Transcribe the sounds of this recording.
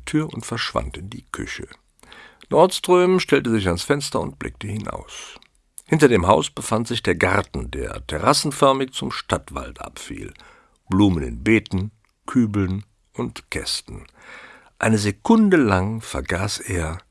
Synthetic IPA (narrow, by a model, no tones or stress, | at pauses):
tʰyːɐʊntfɛɐʃv̥a̰ntɪndiːkʰʏ̰çə | nɔɐtstʁ̥øːmʃtɛltəzɪçansfɛnstɐʊntb̥lʔɪ̰k̚təhɪnʔa̰ʊs | hɪntɐdeːmɦaʊsb̥əfantz̥ɪçd̥eːɐɡaɐtn̩dḛːɐtʰɛʁasn̩fœɐmɪçt͡sʊmʃtatv̥a̰ltʔa̰pfḭːl | b̥luːmənɪ̰nbeːtn̩ | kʰyːbl̩n | ʔʊntkʰɛ̰stn̩ | ʔaɪnəzekʰʊndəlaŋfɛɐɡaːsʔeːɐ